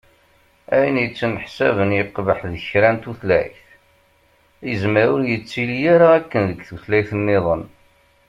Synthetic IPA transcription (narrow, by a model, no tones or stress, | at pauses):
æjənjət͡sːənħsævənjəqːvəħðəçɾænt̪uθlæ̰jθ | əzməɾʊɾjət͡sːiljaɾaækːənðəɡθuθlæjθənːɪðˤən